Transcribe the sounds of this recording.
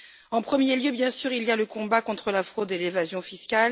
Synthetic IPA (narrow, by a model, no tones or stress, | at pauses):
ɑ̃pχəmjeljøbjɛ̃syʁilijaləkɔ̃bakɔ̃t̪χəlafχod̪elevazjɔ̃fiskʲal